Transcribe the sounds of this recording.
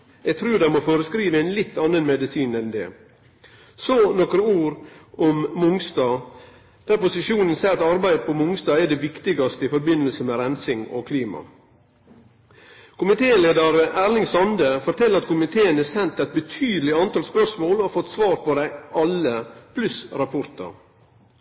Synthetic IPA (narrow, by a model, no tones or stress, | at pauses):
ɛɡ̚t̪ʰɾʉːd̪ɛɪmɔfoːɾəskɾiːʋəæɪnlɪt̪ʰːɑnːənmɛd̪ɪsiːnɛnd̪ɛ̰ | sɔnɔkɾəuːɾɔmmʊŋsd̪ɑː | d̪̥æɾpʊsɪʂuːnənsæɪɾɑt̪ɑɾbæɪd̪əpʰɔmʊŋsd̪ɑːæɖɛʋɪkt̪ɪɡɑst̪əɪfɔɾbɪnːəlsəmɛɾɛnsɪŋɔ̰kʰliːmɑ̰ | kʰʊmɪt̪ʰeːleːd̪ɑɾæːlɪŋsɑnd̪əfɔʈ̪ʰɛləɾɑt̪kʰʊmɪt̪ʰeːənɛsɛnt̪ːɛɪt̪̚bət̪ʰyːd̪əlɪɑnt̪ɑːlspœʂmoːlɔfɔt̪ːsʋɑːɾpʰɔd̪æɪʔɑləpʰlʉsɾɑpʰɔɾt̪ɑ̰ɾ